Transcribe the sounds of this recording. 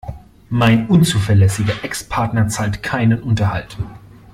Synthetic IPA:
maɪnʔʊnt͡suːfɐlɛsɪɡɐʔɛkspʰaɐtnɐt͡saːltkʰaɪnənʔʊntɐha̰lt

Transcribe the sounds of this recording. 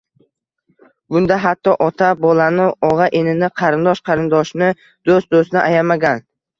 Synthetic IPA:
bʊnd̪aɦat̪ʰːɒʔɒt̪ʰabɒlanɪɒʁɑʔenɪnɪqʰɑɾɪnd̪ɒʃqʰɑɾɪnd̪ɒʃnɪ | d̪̥ost̪d̪osnɪʔajamaɡʲan

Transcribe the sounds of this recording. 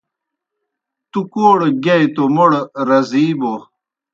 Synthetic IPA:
t̪ukoːɽɡɐjt̪omoɽɾɐziːbo

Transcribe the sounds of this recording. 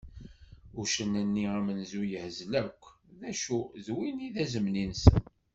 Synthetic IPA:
ʊɾʃənənːiæmənzujəhzlækʷː | ðæʃuzwiniðæzəmninsən

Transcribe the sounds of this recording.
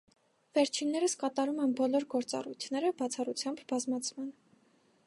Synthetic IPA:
vɛɾt͡ʃʰinːɛɾəskɑt̪ɑɾumɛnbɔlɔɾɡɔɾt͡sɑ̰rujt̪ʰnɛɾəbɑt͡sʰɑrut͡sʰjɑmbbɑzmɑt͡sʰmɑn

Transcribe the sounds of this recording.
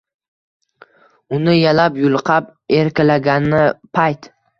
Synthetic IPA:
ʊnɪjalapjʊlˠqʰɑpeɾkʲalaɡʲanɪpʰajt̪

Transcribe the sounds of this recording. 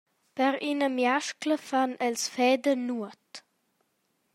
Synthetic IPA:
pɛɾʔinəmjaʃkləfanɛlsfɛːdənuət

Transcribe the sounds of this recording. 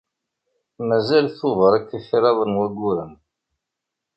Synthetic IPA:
mæzælθoðˤəɾˤækːəfiɾɑðˤənwæɡuɾən

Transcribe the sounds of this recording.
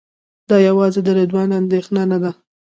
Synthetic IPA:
d̪ɑjawɑzed̪əɾed̪wɑnand̪exnanad̪a

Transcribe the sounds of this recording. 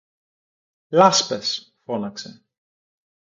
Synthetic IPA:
lɐspesfo̞nɐksḛ

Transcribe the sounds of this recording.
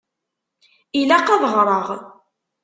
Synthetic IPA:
ilæqɑðəʁɾˤəʁ

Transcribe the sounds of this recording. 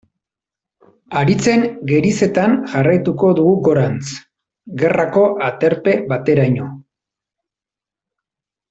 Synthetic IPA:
aɾit͡se̞ŋɡe̞ɾise̞t̪anʝarajt̪uko̞ðuɣuɡo̞ɾant͡s | ɡe̞rako̞ʔat̪e̞ɾpe̞βat̪e̞ɾajɲo̞

